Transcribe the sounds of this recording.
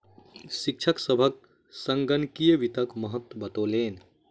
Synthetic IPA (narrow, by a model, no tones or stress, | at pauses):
sik̚t͡ʃʰəksəbʱək̚ | səŋɡənkijəʋit̪əkməɦət̪wəbət̪oːleːn